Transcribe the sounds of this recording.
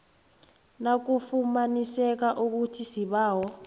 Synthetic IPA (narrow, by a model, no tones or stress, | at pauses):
nak̬ufumanisɛk̬aʔuk̬utʰisiɓaːwɔ